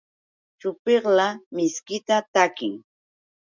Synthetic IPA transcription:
t͡ʃʊpeχlamɪskɪt̪at̪akɪŋ

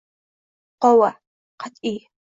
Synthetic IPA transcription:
qʷɔwɐ | qatʼi

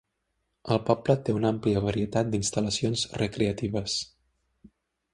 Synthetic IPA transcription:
əlˠpɔblət̪eunampliəβəɾiət̪at̪̚d̪inst̪ələsionzrəkɾeət̪iβəs

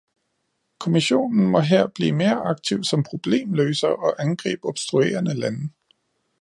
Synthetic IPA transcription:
kʰo̝miɕo̝̰ːnn̩mɒ̽ɦeɐ̰b̥lḭːme̝ːɐʔɑ̈ɡ̥̚t͡sʰiʊsɒ̽mpʰʁo̝b̥le̝̰ːmløːsɐʔɒ̽ʔænɡ̥ʁḭːb̥ɒ̽b̥sd̥ʁue̝̰ːɐnəlæn

